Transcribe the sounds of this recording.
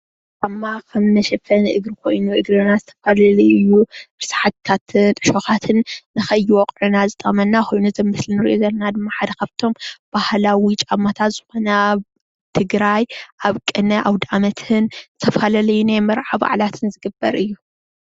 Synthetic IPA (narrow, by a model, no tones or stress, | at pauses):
t͡ʃʼamːakʰɐmnɐʃɐfɐnɨʔɨɡɾɨkʰo̞jnuʔɨɡɾɨnazɨt̪ʰɐfalalɐjjubɨsħat̪ʰːat̪ʰɨnt̪ʼɨʃoxat̪ʰɨnːɨxɐjːiwɔqʼʕunazɨt̪ʼɐmɐnːaxo̞jnuzɐmːɨslinɨɾiʔozɐlnad̪ɨmːaħad̪ɐkʰaβt̪ʰo̞mb̥ahlawit͡ʃʼamːat̪ʰat̪z̥ɨxo̞nɐ | t̪ʰɨɡɾajʔaβkʼɨnɐʔawd̪amɐt̪ʰɨnzɨt̪ʰɐfalalɐjːunajmɐɾʕaβa̰ʕlat̪ʰɨnzɨɡɨbːɐɾʔɨjːu